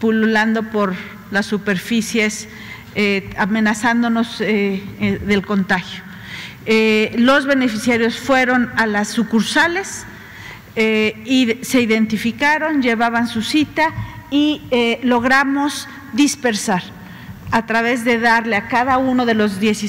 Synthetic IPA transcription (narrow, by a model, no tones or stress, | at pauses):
pululand̪o̞po̞ɾ | lasːupe̞ɾfisje̞s | eamẽ̞nasand̪o̞no̞zeðe̞lko̞nt̪axjo̥ | elo̞zβe̞ne̞fisjaɾjo̞sfwe̞ɾo̞nalasːukuɾsale̞s | eise̞iðe̞nt̪ifikaɾo̞nʝe̞βaβansusit̪a | ielo̞ɣɾamo̞s | ðispe̞ɾsaɾ | at̪ɾaβe̞zðe̞ðaɾleakaðauno̞ðe̞lo̞zðje̞si